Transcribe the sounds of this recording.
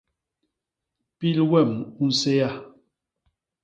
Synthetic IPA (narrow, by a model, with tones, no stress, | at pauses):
pi˦lwɛ˦˨mu˦n̩˦se˦ja˦˨